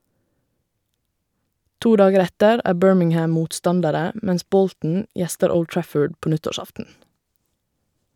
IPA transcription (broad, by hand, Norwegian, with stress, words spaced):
ˈtuː ˈdɑːɡəɾ ˈɛtəɾ ˈæː ˈbøːɹmɪŋˌhæm ˈmuːtˌstɑndəɾə m ˈmɛns ˈbɔltn̩ ˈjɛstəɹ ˈəʊld ˈtɹæfəɖ ˈpoː ˈnʏtɔˌʃɑftn̩